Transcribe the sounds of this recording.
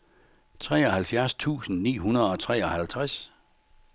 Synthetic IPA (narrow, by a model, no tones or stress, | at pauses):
t͡sʰʁɛ̰ːɒ̽hælfjæɐst͡sʰṵːsn̩nḭːɦunɐð̩ˠɒ̽t͡sʰʁɛ̰ːɒ̽hælt͡sʰʁas